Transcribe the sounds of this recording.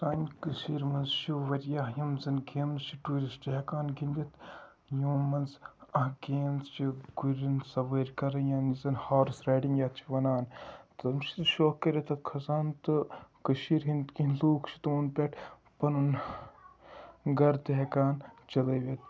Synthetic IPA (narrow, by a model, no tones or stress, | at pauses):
saːnʲkɨʃiːɾmɐnzt͡ʃʰiʋɐɾʲjaːɦjɐmzɐnɡeːmzt͡ʃʰiʈuːɾʲisʈeɦkaːnɡind̪it̪ʰ | joːmɐnzɐɦɡeːmzt͡ʃʰiɡuɾʲɐnsɐʋəɾʲkɐɾɐjaːnizɐnhaːɾsɾaːɖiŋjaːt̪̚t͡ʃʰi̥ʋɐnaːnt̪ɐmʃʰi̥t̪ʃoːkːɐɾɐt̪ʰɐt̪kʰɐzaːnt̪ɨkɨʃiːɾɦint̪kinluːkʰt͡ʃʰi̥t̪oːnpʲɛʈ | pɐnun | ɡɐɾt̪eɦekaːnt͡ʃɐlɐːʋʲet̪̚